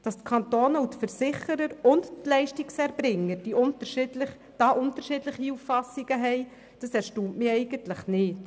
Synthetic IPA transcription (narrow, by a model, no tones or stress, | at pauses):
d̥ɑstkʰɑnt̪oːnəwtfəɾsɪχəɾəɾʊndtlɛɪʃtiksæɾbɾɪŋːəɾd̥iʔʊntəɾʃɪdləχ | d̥ɑːʔʊntəʃɪːdləχiuffɑsiɡəɦɛɪ | d̥ɑsæɾʃtuːmtmɪːɛɪɡəntləχnɪːt